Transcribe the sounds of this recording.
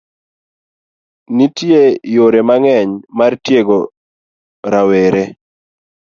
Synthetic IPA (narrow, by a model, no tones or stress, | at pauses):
nitjejoɾemaŋɛɲmartjeɡo | ɾaweɾe